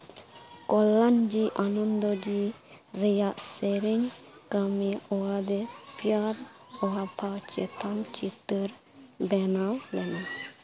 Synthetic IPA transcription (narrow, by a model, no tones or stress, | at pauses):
kɔlːand͡ʒiʔanɔnd̪ɔd͡ʒi | ɾɛjaʔsɛɾɛŋkamiɔwad̪ɛpʰijaɾ | ɔapʰat͡ʃɛt̪ʰamt͡ʃit̪əɾ | bɛnawlɛna